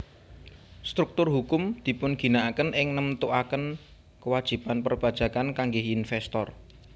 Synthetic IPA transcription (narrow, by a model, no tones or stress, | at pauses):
st̪ɾuk̚t̪ʊrɦukʊmd̪̥i̤pʊnɡ̥i̤naakənɪŋnəmt̪uʔakən | kəwad̥ʒ̥i̤panpərb̥a̤d̥ʒ̥ä̤kankaŋɡɪɦinfɛst̪ɔr